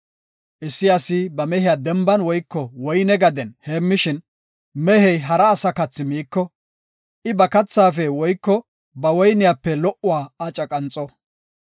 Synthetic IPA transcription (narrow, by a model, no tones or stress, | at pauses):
ʔɪsːɪɐsɪbɐmɛhɪjaːd̪ɛmbɐnwɔjkːɔwɔjnɛɡɐd̪ɛnheːmːɪʃɪn | mɛhɛjɦɐɾɐːsɐkɐt͡sːɪmiːkːɔ | ʔɪbɐkɐt͡sːaːfɛwɔjkːɔ | bɐwɔjnɪjapːɛlɔʔʊwaːat͡ʃʼɐkʼɐnt͡sʼːɔ